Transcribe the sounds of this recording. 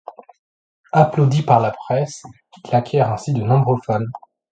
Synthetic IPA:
aplod̪ipaʁlapχɛs | ilakʲjɛʁɛ̃sid̪ənɔ̃bʁofɔn

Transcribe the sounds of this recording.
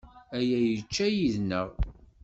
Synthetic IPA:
æjæjət͡ʃːæjiðnəʁ

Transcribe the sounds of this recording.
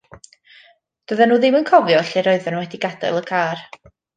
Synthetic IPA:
d̥əðɛnuːðɪmənkʰɔvjɔɬɛɾɔɨðɛnəwɛdɪɡadɛ̰lˠəkʰaːr

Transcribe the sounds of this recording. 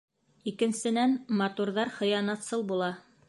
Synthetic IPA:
ikɘ̆nsɘ̆nænmɑt̪uɾðɑɾχɤ̆jɑnɑt̪sɤlˠbulˠɑ

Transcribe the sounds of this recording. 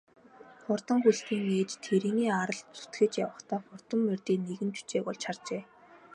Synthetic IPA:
χʊrt̪ə̆ŋxuɮt̪iːŋeːt͡ɕt̪ʰeɾiːniːaɾə̆ɮt͡su̥t̪ɡɘ̆t͡ɕjawə̆χt̪ʰaːχʊrt̪ə̆mːerʲt̪iːneɣɘ̆nt͡ɕu̥t͡ɕeːɣʊɮt͡ɕʰart͡ɕeː

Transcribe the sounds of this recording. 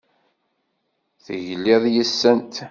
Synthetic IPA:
θəʝlɪðˤjəsːənt̪

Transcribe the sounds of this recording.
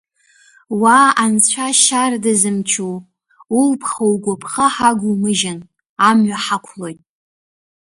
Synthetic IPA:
waant͡sʷʰaʃardazɨmt͡ʃʰu | ulpʰχowɡʷapʰχaħaɡʷumɨʒan | amɥaħakʷʰlo̞jtʼ

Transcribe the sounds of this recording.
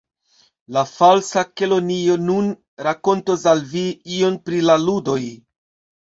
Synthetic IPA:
lafalsake̞lo̞nio̞nun | ɾako̞ntosalviio̞npɾilaludo̞j

